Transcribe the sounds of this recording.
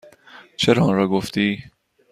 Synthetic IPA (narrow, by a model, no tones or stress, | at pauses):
t͡ʃʰeɾɒːnɾɒːɡoft̪iː